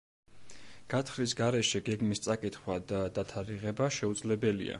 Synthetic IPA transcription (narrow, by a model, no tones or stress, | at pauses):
ɡ̥at̪ʰχɾis̬ɡaɾɛʃɛɡɛɡmist̪sʼakʼit̪χwad̪ad̪at̪ʰaɾiʁɛbaʃɛud̪zlɛbɛlḭa̰